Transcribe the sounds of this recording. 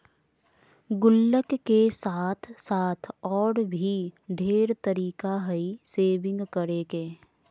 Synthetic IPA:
ɡʊlːəkːesaːt̪ʰsaːt̪ʰɔːɾbʱiɖʱeːɾt̪əɾiːkaɦəiseːbɪ̃ŋɡkəɾeːkeː

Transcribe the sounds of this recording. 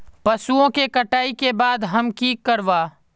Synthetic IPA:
pɐsuõkekɐʈaːikebaːd̪ɦɐmkiːkːəɾʋaː

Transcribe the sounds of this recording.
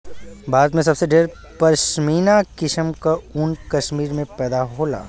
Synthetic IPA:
bʱaːɾət̪mẽs̬ɐbseɖeːɾ | pɐɾʃmiːnakɪʃəmkaʊnkɐʃmiːɾmẽpɛːd̪aɦoːla̰ː

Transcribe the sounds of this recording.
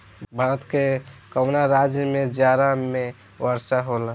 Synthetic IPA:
bʱəɽət̪kekəʊnaɾad͡ʒjəmed͡ʒjaɾame | wəɾsaɦolə

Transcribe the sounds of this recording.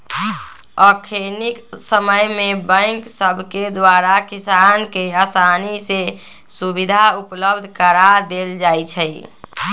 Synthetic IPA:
ɔkʰeniksəməjmebə̃ŋksəbʱked̪waɾakisankeasanise | subid̪ʱaupləbd̪ʱkəɾad̪eld͡ʒajt͡ʃʰəj

